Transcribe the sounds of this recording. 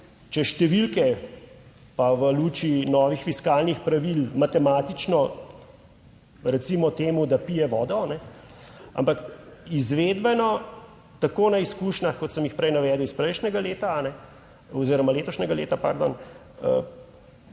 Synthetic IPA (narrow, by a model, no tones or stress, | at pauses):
t͡ʃɛʃt̪ɛʋilkɛ | paʋəluːt͡ʃinɔːʋixfiskaːlnixpɾaʋilmat̪ɛmaːt̪it͡ʃnɔ | ɾɛt̪simɔt̪eːmud̪apijɛʋɔːd̪ɔnɛ | a̰mpakizʋeːd̪bɛnɔ | t̪akoːnaiskuːʃnaxkɔt̪səmjixpɾɛjnaʋɛːd̪əwispɾɛjʃnʲɛɡaleːt̪anɛ | ɔziːɾɔmaleːt̪ɔʃnʲɛɡalḛːt̪apa̰ɾd̪ɔ̰n | ə̰